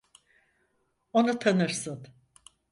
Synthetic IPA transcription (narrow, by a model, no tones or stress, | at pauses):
onut̪ʰanɯɾsɯn